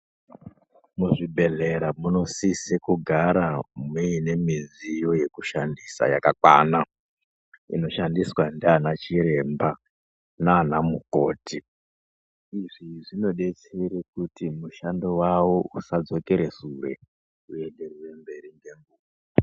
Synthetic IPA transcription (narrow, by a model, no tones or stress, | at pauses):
muʐibʱe̞ɮe̞ɾamuno̞sisekuɡʱaɾamiine̞mizijo̞je̞kuʃandisa̰jakakwa̰na | ḭno̞ʃandiswandeanat͡ʃiɾe̞mba | naːnamuko̞ːtʰi | iʐiʐino̞ɗe̞t͡seɾekutimuʃandowawousad͡zo̞ke̞ɾe̞suɾe̞̰ | ue̞nde̞rwe̞mbe̞ɾiŋɡe̞ŋɡuːw | a